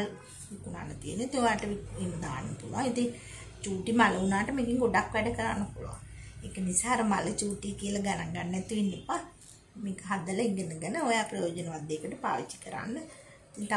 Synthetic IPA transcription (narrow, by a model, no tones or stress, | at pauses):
l | ʋikuna̰ːnːət̪iə̰nːoit̪iŋojaːʈəʋiiːməd̪aːnːəpuluaŋit̪iŋ | t͡ʃuːʈimaləunaːʈəmeɡiŋɡoɖakʋɛɖəkəɾa̰nːəpulṵa̰ŋekənisaːɐɾəmalət͡ʃuːʈijəkijəlaɡanaŋɡanːɛt̪iʋinːepa | meːkəɦad̪ələiŋɡənəɡənəojaːpɾɐjoːd͡ʒənəʋad̪ːeːkəʈəpa̰ːʋit͡ʃːi̥kəɾa̰nːə | it̪iŋt̪a